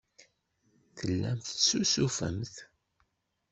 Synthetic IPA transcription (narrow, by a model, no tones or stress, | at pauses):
θəlːæmθsusufə̰mθ